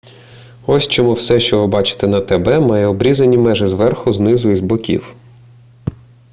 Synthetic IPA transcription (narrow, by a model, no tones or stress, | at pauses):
ɔsʲt͡ʃɔmuwsɛʃt͡ʃɔʋɪbɑt͡ʃɪ̥t̪ɛnɐt̪ɛbɛmɑjɛɔbɾʲizɐnʲimɛʒɪzʋɛrxʊznɪzʊizbɔkʲḭw